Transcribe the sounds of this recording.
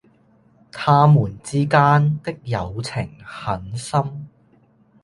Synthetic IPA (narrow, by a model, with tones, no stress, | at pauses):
t̪ʰaː˥muː˨˩nt͡siː˥kaː˥nt̪ɪ˥k̚jɐ˨˧wt͡sʰɪ˨˩ŋhɐ˨˥nsɐ˥m